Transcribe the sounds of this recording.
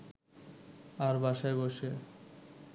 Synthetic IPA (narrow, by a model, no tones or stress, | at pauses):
aɾbaʃaeboʃe